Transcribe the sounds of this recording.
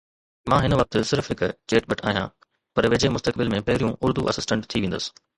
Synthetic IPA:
mãːɦɪnəʋɐk̚t̪sɪɾfɦɪkt͡ɕeːʈɓɐʈʰa̰ːɦijã̰ː | pɐɾʋeːd͡ʑemʊst̪əkbɪlmẽpɐɦɪɾijũʔʊɾd̪uʔɐ̰sɪsʈə̃ɳʈt̪ʰiʋẽːnd̪əsɪ̥

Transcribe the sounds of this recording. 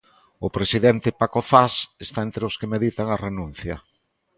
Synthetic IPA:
ʊpɾesiðent̪ɪpakoθasest̪aent̪ɾeoskemeðit̪aŋɐrenũn̟θjɐ

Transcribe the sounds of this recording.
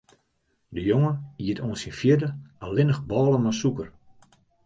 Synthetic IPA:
dəjoŋəniətʰoənsinfjɪdəalɪnəxbɔːlˠənmasukər

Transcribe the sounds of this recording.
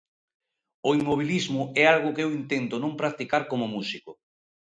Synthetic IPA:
oimːoβ̞ilizmʊɛalɣ̞ʊkɪewint̪ent̪ʊnõmpɾak̚t̪ikaɾkomʊmusikʊ

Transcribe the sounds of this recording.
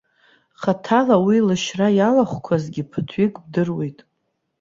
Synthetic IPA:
χatʰalawilɨʃrajalaχʷkʷʰazɡʲɪpʰɨtʰɥikʼb̚dɨrwejtʼ

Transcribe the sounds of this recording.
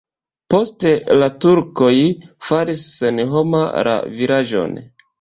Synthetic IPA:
po̞ste̞latuɾko̞jfaɾisːenɦomaɾʔa̰viɾaʒo̞̰n

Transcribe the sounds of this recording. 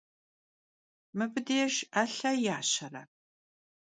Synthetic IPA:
mɨbɨdeɛʃaːɬɐjaːɕɐrɐ̰

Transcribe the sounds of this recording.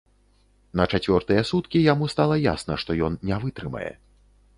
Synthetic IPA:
nɐt͡ʂat͡sʲvʲɔrt̪ɨjɛsut̪kʲijamust̪alˠɐja̰snɐʂt̪ɔjɔnnʲɛvɨt̪ɾɨmɐ̰jɛ̰

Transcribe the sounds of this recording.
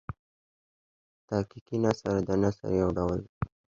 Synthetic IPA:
t̪ɑkikinasaɾad̪ənasa̰ɾjawɖawəl

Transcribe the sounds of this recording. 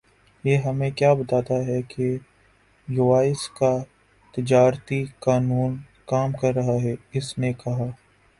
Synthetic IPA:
jeːɦɐmẽkjaːbɐt̪aːt̪aɦɛke | jʊʋaːɪska | t̪ɪd͡ʒaːɾt̪ikaːnuːn | kaːmkɐɾːɐɦaɦɛɪsnekɐɦaː

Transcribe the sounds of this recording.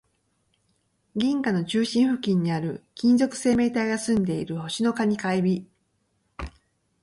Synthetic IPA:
ɡʲĩŋkano̞t͡ɕɨːɕĩɰ̃ɸɯ̟kʲĩɲ̟ːiaɾɯ̟kʲĩnzo̞kɯ̟̥se̞ːme̞ːt̪aiɡasɨ̃nd̪e̞iɾɯ̟ho̞ɕino̞kaɲ̟ikaibʲi

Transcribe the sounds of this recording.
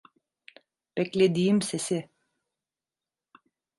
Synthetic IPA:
b̥ɛclʲed̪iːimsesɪ

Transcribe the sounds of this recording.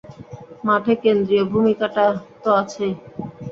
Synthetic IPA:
maʈʰekend̪ɾiobʱumikaʈat̪oat͡ɕʰe

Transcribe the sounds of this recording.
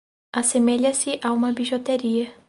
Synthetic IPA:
asemeʎɐsɪʔaũmɐbiʒot̪eɾiɐ

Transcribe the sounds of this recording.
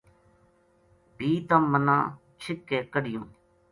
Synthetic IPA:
bʱiːt̪əmːənã̰ː | t͡ʃʰɪkːeːkəɖɪjõː

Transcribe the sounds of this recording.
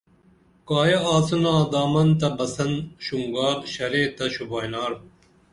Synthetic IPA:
kaːjɐaːt͡sɐnaːd̪aːmɐnt̪ɐbɐsɐnɕuŋɡaːɾɕɐɾeːt̪ɐɕubaːjnaːɾ

